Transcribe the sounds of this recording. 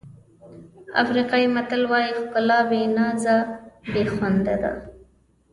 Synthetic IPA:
a̰fɾiqɑimat̪əlwɑjikʊlɑbenɑzabexwand̪ad̪a̰

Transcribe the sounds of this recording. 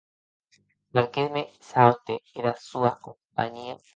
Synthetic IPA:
lalkemesawnt̪eeɾasuakompa̰ɲia

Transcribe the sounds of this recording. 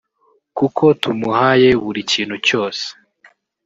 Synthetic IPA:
kukʰo̞tumuhaje̞βuɾiciːn̥huco̞ːse̥

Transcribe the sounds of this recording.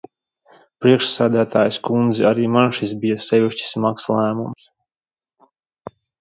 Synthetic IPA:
pɾiɛkʂsæːd̪æt̪aːjskund̪zɛaɾiːmanʃisbijasɛvʲiʃt͡ɕi̥smakslˠæːmṵms

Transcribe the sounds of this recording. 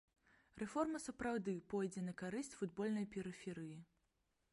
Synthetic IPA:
rɛfɔrmɐsɐpɾawd̪ɨpɔjd͡zʲɛnɐkaɾɨsʲt͡sʲfud̪bɔlʲnɐjpʲɛɾɨfʲɛɾɨji

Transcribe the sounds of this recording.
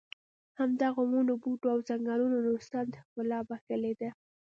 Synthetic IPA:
hamd̪aɣomunobuʈoawzaŋɡɑlunonost̪and̪əxkʊlɑbaxəled̪a

